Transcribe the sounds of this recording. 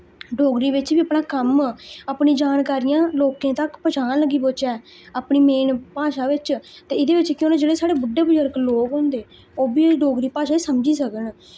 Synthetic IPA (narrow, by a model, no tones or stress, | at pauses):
ɖoːɡɾiːʋɪt͡ʃʋiːəpnaːkəməpniːd͡ʒaːnkaːɾijãːloːkẽːt̪əkpət͡ʃʰaːnləɡiːpoːt͡ʃɛː | aːpɳiːmeːnpaːʃaːʋɪt͡ʃt̪eːɪd̪eːʋɪt͡ʃkjõːneːd͡ʒeːɽeːsaːɽeːbʊɖːeːbʊd͡ʒəɾkloːkɦõːnd̪eː | oːbiːɖoːɡɾiːpaːʃaːiːsəmd͡ʒiːsəkən